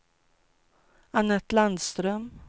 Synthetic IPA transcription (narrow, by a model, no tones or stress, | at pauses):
anːət̪land̪st̪ɾœm